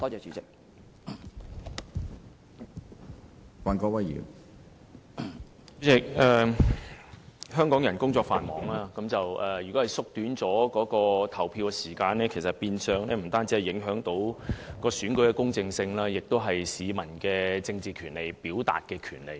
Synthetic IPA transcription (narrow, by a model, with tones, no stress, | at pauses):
t̪ɔː˥t͡sɛː˨˧t͡ʃyː˨˥t͡sɪ˨k̚ | faː˨nkɔː˧wɐ˥jjḭː˨˩w | t͡ʃy˨˥t͡sɪ˨k̚ɛː˨˩ | ɦœː˥ŋkɔː˨˥ŋjɐ˨˩nkʊ˥ŋt͡sɔː˧k̚fa̰ː˨nmɔː˨˥ŋlaː˥kɐ˨˥mt͡sɐ˨wʔɛː˨˩jyː˨˩kɔː˨˥hɐ˨˩jsʊ˥k̚t̪yː˨˥nt͡sɔː˨˥kɔː˨˥kɔː˧t̪ʰɐ˨˩wpʰiː˧wkɛ˧siː˨˩kaː˧nɛː˥kʰe˨˩sɐ˨t̚piː˧nsœː˨˧ŋlɛː˥m̩˨˩t̪aː˥nt͡siː˨˥hɐ˨˩jɪ˨˥ŋɦœː˨˥ŋt̪o˨˥wkɔː˧syː˨˥nkɵ˨˥ɥkɛː˧kʊ˥ŋt͡sɪ˧ŋsɪ˧ŋlaː˥jɪ˨k̚t̪o˥wɦɐ˨jsiː˨mɐ˨˩nkɛː˧t͡sɪ˧ŋt͡siː˨kʰyː˨˩nle˨jpiː˨˥wt̪a̰ː˨t̚kɛː˧kʰy̰ː˨˩nlḛ˨˩j